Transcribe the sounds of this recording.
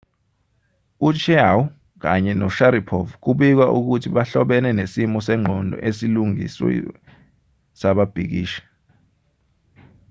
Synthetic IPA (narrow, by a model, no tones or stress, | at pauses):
ut͡ʃʰɛawu | k̬a̰ɲɛnɔʃaɾipʰɔvk̬uɓik̬waʔuk̬utʰiɓaɬɔɓɛnɛnesimɔsɛŋ͡ǃʱɔndʱɔ̰ʔesiluŋḭswɛ̰ | saɓab̥ʱik̬iːʃḁ